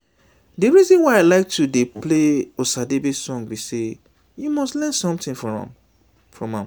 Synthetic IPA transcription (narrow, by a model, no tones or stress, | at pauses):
dɨɹizɔ̃nwaɪaɪlaɪk̚tʰudepleosadebisɔ̃ŋbise | jumɔstlɛ̃nsɔ̃mtĩŋfɔɹɔ̰̃m | fɹɔ̃mãm